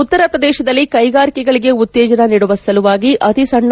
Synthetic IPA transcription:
ut̪ːɐɾɐpɾɐd̪ɛːʃɐd̪ɐlːikɐjɡaːɾikɛɡɐɭiɡe̞ut̪ːɛːd͡ʒɐnɐniːɽuʋɐsɐluʋaːɡiʔɐt̪isɐɳː

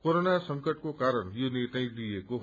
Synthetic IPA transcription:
koɾonasʌŋkʌʈ̚kokaɾʌɳjoneʈ̪aĩlijeko

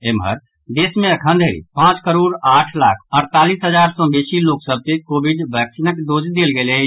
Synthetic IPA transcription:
emɦə̰ɾ | d̪eːsmẽəkʰənd̪ʱeɾḭpãt͡ʃkəɾoɽaʈʰla̰kʰəɾt̪alisɦəd͡ʒaɾsɔ̃besiloksəb̚t̪ekobiɖbəksinəkd̪od͡ʒd̪elɡele

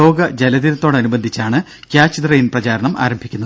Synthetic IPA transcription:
o̞ːɡɐd͡ʑelɐðiɾɐt̪ːo̞ːɽeɐnubɐnd̪ʱit͡ɕːaːɳɨ | kʲjaːt͡ɕːid̪rɐjinprɐt͡ɕaːɾɐɳɐma̰ːɾɐmbʱikʲːunːɐð

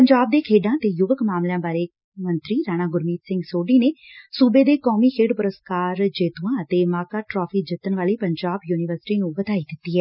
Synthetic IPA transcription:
pəɲd͡ʒaːb̚d̪eːkʰeːɖãːt̪eːjʊʋəkmaːmljãːbaːɾeː | mənt̪ɾiːɾaːɽ̃ãːɡʊɾmiːt̪sɪ̃ŋɡsoːɖiːneːsuːbeːd̪eːkɔːmiːkʰeːɖpʊɾəskaːɾd͡ʒeːt̪uãːət̪eːmaːkaːʈɾɔːpʰiːd͡ʒɪt̪ːənʋaːliːpəɲd͡ʒaːbjuːnɪʋəɾsɪ̥ʈiːnũːbət̪aːiːd̪ɪt̪ːiːɦɛː

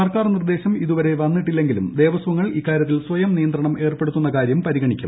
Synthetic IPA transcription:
ɐrkaːrnird̪e̞ːɕɐmiðuʋɐɾe̞ʋɐnːiʈːilːe̞ŋɡilumd̪e̞ːʋɐsʋɐŋːɐɭikːaːɾjɐt̪̬ːilswʋɐjɐmnijɐnd̪ɾɐɳɐme̞ːrpeɽut̪ːunːɐkaːɾjɐmpɐɾiɡɐɳikʲːum

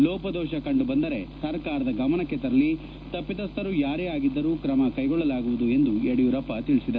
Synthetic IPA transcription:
lɔːpɐd̪ɔːʃɐkɐɳɖubɐnd̪ɐɾe̞sɐɾkaːɾɐd̪ɐɡɐmɐnɐkːet̪ɐɾɐli | t̪ɐpːit̪ɐst̪ɐɾujaːɾeːaːɡid̪ːɐɾuːkɾɐmɐkɐjɡɔɭːɐlaːɡuʋud̪ue̞nd̪ueɽijuːɾɐpːɐt̪iɭisid̪ɐɾu

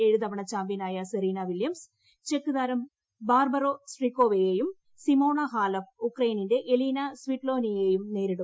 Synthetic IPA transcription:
e̞ɻuðɐʋɐɳɐt͡ɕaːmbinaːjɐseɾiːnɐʋiljɐms | t͡ɕe̞kːuðaːɾɐm | baːrbɐroːsrikːo̞ːʋejeːjum | simoːɳɐɦaːlɐfukrɐjininde̞ʔeliːnɐsʋiʈlo̞ːnijeːjumne̞ːɾiɽu

